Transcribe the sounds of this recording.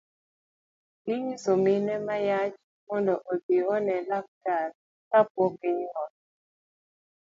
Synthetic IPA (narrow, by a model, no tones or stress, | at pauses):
kiɲsominɛmajat͡ʃ | mɔndɔʔodiɔnɛlak̚taɾ | kapwɔkiɲwɔt̚